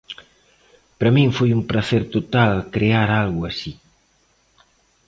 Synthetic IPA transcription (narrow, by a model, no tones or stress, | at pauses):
pɾɐmiɱfujumpɾɐθeɾt̪ut̪alkɾeaɾalɣuasi